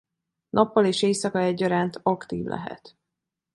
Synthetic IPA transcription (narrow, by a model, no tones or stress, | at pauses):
nʔɒpːɒleːʃeːjsɒkɒɛɟːɒɾaːnt̪ɒkt̪ḭːvlʔɛ̰ɦɛ̰t̪